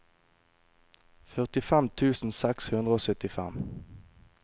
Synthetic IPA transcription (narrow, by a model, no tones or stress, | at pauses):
fœʁt̪ɪfɛmt̪ʰʉːsn̩sɛkshʉnd̪ʁəoːsœt̪ɪfɛ̰m